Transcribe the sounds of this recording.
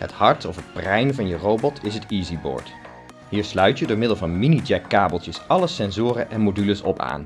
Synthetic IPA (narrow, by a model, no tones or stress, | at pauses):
hə̰thɑɹtɔfɦət̚prɛjnvɑnjərowbɔtʰɪsɦətiːzibɔ̰ːɹt | ɦiːɹslœɥtjədʊːɹmɪdəlˠvɑnminid͡ʒɛkːaːbəlˠtjəsɑləsɛnzʊːrəʔɛnmodyləsɔ̰pa̰ːn